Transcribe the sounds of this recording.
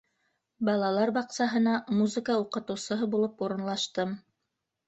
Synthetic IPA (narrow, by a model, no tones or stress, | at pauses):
bɑlˠɑlˠɑɾbɑqsɑɦɤ̆nɑmuzɨ̆kauqɤ̆t̪ɤ̆wsɤ̆ɦɤbulˠɤpuɾɤ̆nlˠɑʃt̪ɤm